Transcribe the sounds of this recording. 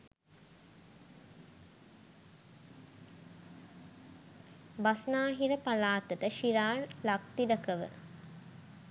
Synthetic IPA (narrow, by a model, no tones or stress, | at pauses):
basnaːɦiɾəpalaːt̪əʈəʃiɾaːnlak̚t̪idəkəʋə̰